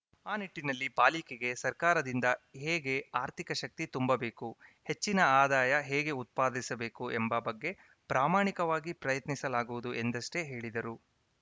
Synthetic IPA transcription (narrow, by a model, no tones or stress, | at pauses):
aːniʈːinɐlːipaːlike̞ɡe̞sɐɾkaːɾɐd̪ind̪ɐɦeːɡe̞aːɾt̪ʰikɐʃɐk̚t̪it̪umbɐbe̞ːkuhe̞t͡ʃːinɐaːd̪aːjɐɦeːɡe̞ut̪̚paːd̪ɐisɐbeːkuʔɛmbɐbɐɡːe̞ | pɾaːmaːɳikɐʋaːɡipɾɐjɐt̪nisɐlaːɡuʋud̪uʔe̞nd̪ɐʂʈe̞ɦe̞ːɭid̪ɐɾu